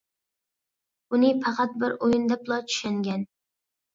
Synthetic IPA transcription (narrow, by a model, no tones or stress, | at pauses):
ʊnɪpʰɑqʰɑt̪̚bɪɾojɪnd̪apʰlˠɒt͡ʃʰʊ̥ʃaŋɡʲan